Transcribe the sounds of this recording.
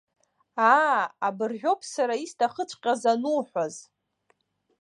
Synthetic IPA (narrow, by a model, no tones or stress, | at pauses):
aabɨrʒʷᶣo̞pʰsaɾaistʰaχət͡ʃʷʰʼqʲʼazanuħʷaz